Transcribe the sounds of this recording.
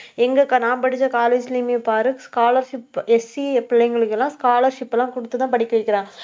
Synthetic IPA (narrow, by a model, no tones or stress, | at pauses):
ɛŋɡɐkɐnaːmpɐɽɪt͡ʃːɐkaːleːd͡ʒliːmepaːɾɯkskaːlɐɾʂɪpɛsipɪlːɐŋɡɐɭɯkːɛlːãːskaːlɐɾʂɪpːɛlːãːkɔɽɯt̪ːɯt̪ãːpɐɽɪkːɐʋɪkːɪɾãː